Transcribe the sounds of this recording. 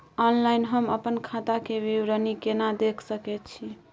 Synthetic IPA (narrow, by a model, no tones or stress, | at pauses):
ɔnlajnɦəməpənkʰat̪akeʋiwɾənikenad̪ekʰsəkɛt̪̚t͡ʃʰi